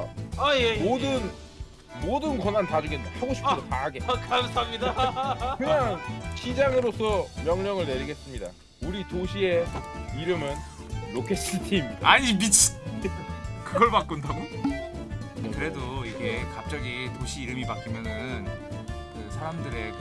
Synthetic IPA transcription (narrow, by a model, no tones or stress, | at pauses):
ajemodɯn | modɯnkʌnantad͡ʑuɡehaɡoɕʰip͈ʰɾopaaɡe̞kamsamɲidakɯɲaŋɕid͡ʑaŋɯɾos͈ʰʌmjʌŋɲʌŋɯɭne̞ɾiɡe̞s͈ɯmɲida̰ | uɾitoɕʰie̞iɾɯmɯnː | okʰes͈iɭtʰeimɲid̥aaɲibit͡ɕʰi̥ | kɯɡʌɭpak̚k͈undaɡo | kɯɾe̞doiɡekap̚t͡ɕ͈aɡitoɕʰiːɾɯmipak͈imjʌnɯɯnkɯsʰaɾamdɯɾe̞